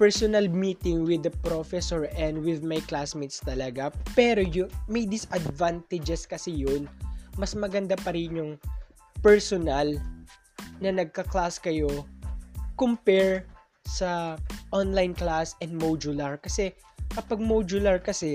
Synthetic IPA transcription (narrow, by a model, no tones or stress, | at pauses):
pɛɹsonɐlmiːt̪ɪŋwɪd̪ɐpɾofɛsoɹɛnd̪wɪðmajklasmit̪st̪ɐlɐɡapɛːɾojʊmɐjd̪ɪsʔɐd̪vant̪ɛd͡ʒɛskɐsɪjonmɐsmɐɡɐnd̪apɐɾɪnjʊŋ | pɛɹsonal | nɐnɐɡ̚kɐklaskɐjo̞ | kompɛɹ | sɐʔonlajnklasɛnd̪mod͡ʒʊlɐɹkɐsɛ | kɐpaɡ̚mod͡ʒʊlɐɹkɐsɛ